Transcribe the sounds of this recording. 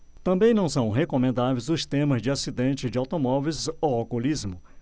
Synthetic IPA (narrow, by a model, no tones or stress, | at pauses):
t̪ɐ̃mbẽj̃nɐ̃w̃sɐ̃w̃ɦekõmẽnd̪avejzʊst̪ẽmɐzd͡ʒɪasid̪ẽnt͡ʃɪzd͡ʒɪawt̪omɔvejzowakulizmʊ